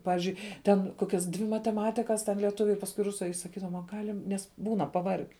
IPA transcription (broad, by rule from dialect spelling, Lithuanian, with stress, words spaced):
ˈpɑːʋʲɪzʲd͡ʒʲʊɪ tʲɛn ˈkoːkʲɛs dʲʋʲɪ mɐtʲɛˈmɑːtʲɪkɐs tʲɛn lʲiɛˈtʊʋʲʊ ɪr pɐsˈkʊɪ ˈrʊsʊ ɐ ɪ sɐˈkʲiːdɐʋoːm ɐ ˈɡɑːlʲɪm ˈnʲɛs ˈbuːnɐ pɐˈʋɐrʲɡʲɛ